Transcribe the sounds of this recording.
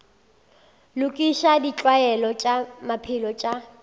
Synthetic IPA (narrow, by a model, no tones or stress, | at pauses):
lʊkʼiʃadit͡ɬʼwaɛlɔt͡ʃʼamapʰɪlɔt͡ʃʼa